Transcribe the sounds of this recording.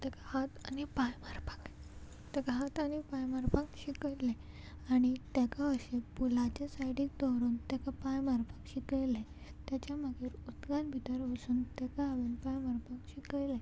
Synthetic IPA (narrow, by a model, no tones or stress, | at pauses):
t̪ɛkahat̪a̰nipajmaɾpḁk | t̪ɛkaɦat̪añipajmaɾpakɕikəle | aɽ̃it̪jakaəɕepulat͡ɕasajɽiːk̚d̪ɔɾuːnt̪akapajmaɾpakɕikəjlẽ | t̪jat͡ɕaməɡiːɾut̪ɡãnbʱit̪əɾʋəsuːnt̪ɛkaɦaʋenpajmaɾpakɕikəjlẽ